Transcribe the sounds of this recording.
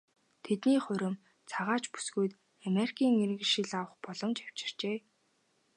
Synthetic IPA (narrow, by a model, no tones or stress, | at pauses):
t̪ʰet̪niːχʊɾɵ̆m | t͡sʰaʁaːt͡ɕpu̥sɡujt̪ | ameɾikʰiːŋiɾɘ̆ɣʃiɮawə̆χpɔɮɞ̆mt͡ɕaw̥t͡ɕɪ̥̆r̥t͡ɕeː